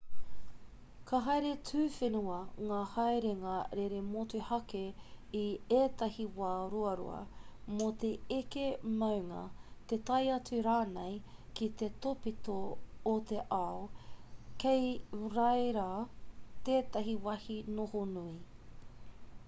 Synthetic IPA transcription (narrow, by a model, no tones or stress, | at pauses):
kʰaɦɐjɾet͡sʰʉːfenuɐŋaːhɐjɾeŋɐɾeɾemotuhɐkeieːt̪ɐhiwaːɾuɐɾṵɐ̰mot̪e̞ekemɐwŋɐ̰t̪et̪ɐjɐt͡sʉɾaːnejkit̪et̪opit̪oːt̪e̞ʔaokejɾɐjɾaːt̪eːt̪ɐɦiwɐhinohonui